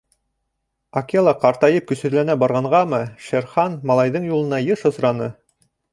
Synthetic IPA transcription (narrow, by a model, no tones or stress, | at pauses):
ɐkʲelˠɑqɑɾt̪ɑjɤp̚kɵ̆sɵ̆ɾlænæbɑɾʁɑɴʁɑmɤʃæɾχɑnmɑlˠɑjðɤɴjulˠɤ̆nɑjɤʃɤ̆sɾɑnɤ